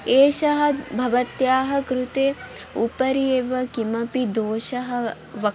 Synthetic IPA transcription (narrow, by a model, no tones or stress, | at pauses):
eːʃɐɦɐ̆bʱɐʋɐt̪jaːɦɐ̆kɾut̪eː | upɐɾeːʋɐkimɐpid̪oːʃɐɦɐ̆ | ʋɐ